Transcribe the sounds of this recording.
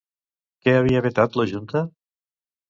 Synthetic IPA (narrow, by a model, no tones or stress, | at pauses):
keaβ̞iaβet̪at̪ləʒunt̪ə